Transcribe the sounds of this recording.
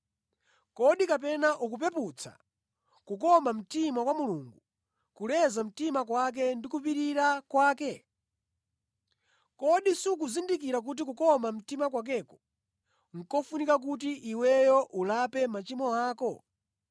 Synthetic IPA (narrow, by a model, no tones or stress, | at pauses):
kɔɗikapɛnaʔuk̬up̬ɛput͡sʰa̰ | kukɔmam̩timakwamuluːŋɡu | kulɛzam̩timakwak̬ɛndikupiɾiɾakwaːkɛ | kɔɗisiuk̬uzindik̬iɾak̬ut̬ik̬ukɔmam̩timak̬wak̬ɛːkɔ̥ | ŋ̩kɔfunikak̬ut̬iʔiwɛjɔʔulapɛmat͡ʃimɔaːkɔ